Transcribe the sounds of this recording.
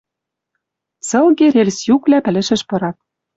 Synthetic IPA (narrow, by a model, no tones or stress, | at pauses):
sɤ̆lɣeɾelsjuklæpɘ̆lɘ̆ʃɘ̆ʃpɤ̆ɾɑt̪̚